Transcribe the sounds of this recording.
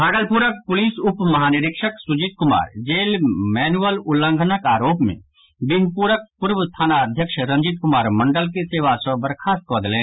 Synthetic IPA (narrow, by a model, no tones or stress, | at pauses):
bʱaːɡəlpuɾək̚pʊliːsʊpmɐɦaːnɪɾɪkʃəksʊd͡ʒit̪̚kʊma̰ːɾd͡ʒeːlmɛːnuəlʊlːə̃ŋɡʱənəkaːɾoːpmḛ̃ | bɪɦpuːɾək̚pʊɾʋəst̪ʰaːnaəd̪ʱjəkʃɾɐ̃ɲd͡ʒɪt̪̚kʊmaːɾmɐ̃ɳɖəlkeseːʋasəbəɾkʰaːst̪̚kbəd̪lẽː